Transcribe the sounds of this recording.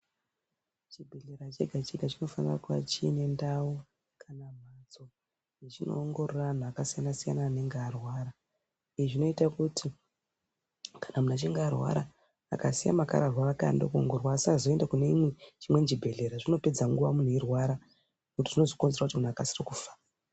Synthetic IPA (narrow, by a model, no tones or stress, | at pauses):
t͡ʃibʱe̞ɮeɾat͡ʃe̞ɡʱat͡ʃe̞ɡʱat͡ʃino̞fanira̰kua̰t͡ʃine̞ndawo | kʰanam̤at͡so | jet͡ʃino̞̰ːŋɡo̞roran̤uakasijanasijanaːne̞ŋɡearwaːɾa | iʐino̞itakutʰi | kḁnamunat͡ʃiŋɡeːrwa̰ɾa | a̰kasija̰maka̰ɾarwaraka̰ndokuo̰ŋɡorwasazoendakuneimwet͡ʃimwe̞nd͡ʒibʱe̞ɮe̞ɾaʐino̞pe̞d͡zaŋɡuʋamun̤uirwaɾa | ekutiʐino̞ziko̞nzeɾakutimun̤uakasirikufḁ